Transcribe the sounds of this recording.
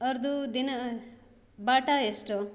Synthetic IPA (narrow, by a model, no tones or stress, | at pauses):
ʌɾd̪ud̪in | baʈaesʈo